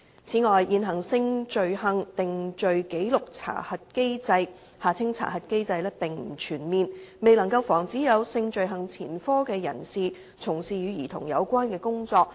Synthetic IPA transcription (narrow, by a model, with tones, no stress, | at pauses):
t͡sʰiː˨˥ŋɔː˨jjiː˨˧nɦɐ˨˩ŋsɪ˧ŋt͡ʃɵ˨ɥɦɐ˨˧ŋt̪ɪ˨ŋt͡ʃɵ˨ɥke˨˥jlʊ˨k̚t͡sʰa̰ː˨˩hɐ˨t̚ke˥jt͡sɐ˧j | haː˨t͡sʰɪ˥ŋt͡sʰa̰ː˨˩ɦɐ˨˩t̚ke˥jt͡sɐ˧jlɛː˥pɪ˨ŋm̩˨˩t͡ʃʰyː˨˩nmiː˨˧nme˨jlɐ˨˩ŋkɐ˧wfɔː˨˩ŋt͡siː˨˥jɐ˨˧wsɪ˧ŋt͡ʃɵ˨ɥɦɐ˨˧ŋt͡sʰiː˨˩nfɔː˥kɛː˧jɐ̰˨˩nsiː˨ | t͡sʰʊ˨˩ŋsiː˨jyː˨˧jiː˨˩t̪ʰʊ̰˨˩ŋjɐ̰˨˧wkʷwaː˥nkɛː˧kʊ˥ŋt͡sɔː˧k̚